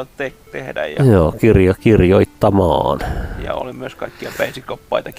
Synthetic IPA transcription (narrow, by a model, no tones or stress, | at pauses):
ott̪ekt̪ehdæ̰jjɑjoːkirjɑkirjoit̪ːɑmɑ̰ːnjɑ̰o̰limyøskɑikːiɑpæisikopːɑit̪ɑk